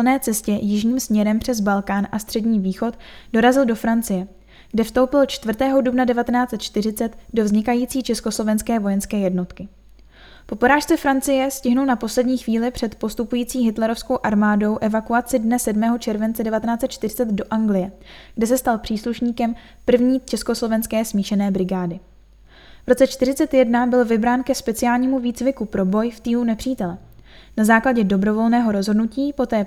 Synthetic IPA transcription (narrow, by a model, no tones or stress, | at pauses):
lnɛːt͡sɛscɛjɪʒɲiːmsmɲɛɾɛmpr̝̥ɛzbalkaːnʔast̪r̝̥ɛdɲiːviːxo̞t̪do̞ɾazɪldo̞fɾant͡sɪjɛ | ɡ̥dɛfst̪o̞wpɪlt͡ʃt̪vr̩t̪ɛːɦo̞dubnadɛvat̪ɛnaːt͡sɛt̪t͡ʃt̪ɪr̝ɪt͡sɛt̪do̞vzɲɪkajiːt͡siːt͡ʃɛskoslo̞vɛnskɛːvo̞jɛnskɛːjɛdno̞t̪kɪ | po̞poɾaːʃt͡sɛfɾant͡sɪjɛscɪɦnulnapo̞slɛdɲiːxviːlɪpr̝̥ɛt̪po̞st̪upujiːt͡siːɦɪt̪lɛɾo̞fsko̞wʔaɾmaːdo̞wʔɛvakuat͡sɪdnɛsɛdmɛːɦo̞t͡ʃɛɾvɛnt͡sɛdɛvat̪ɛnaːt͡sɛt̪̚t͡ʃt̪ɪrɪt͡sɛt̪do̞ʔaŋɡlɪjɛɡ̥dɛs̬ɛst̪alpr̥iːsluʃɲiːkɛm | pr̩vɲiːt͡ʃɛsko̞slo̞vɛnskɛːsmiːʃɛnɛːbɾɪɡaːdɪ | vɾo̞t͡sɛt͡ʃt̪ɪɾ̝ɪt͡sɛt̪jɛdnabɪlvɪbɾaːnkɛspɛt͡sɪjaːlɲiːmuviːt͡svɪkupɾo̞bo̞jft̪iːlunɛpr̝̥iːt̪ɛlɛ | nazaːklaɟɛdo̞bɾo̞vo̞lnɛːɦo̞ɾo̞zɦo̞dnuciːpo̞t̪ɛː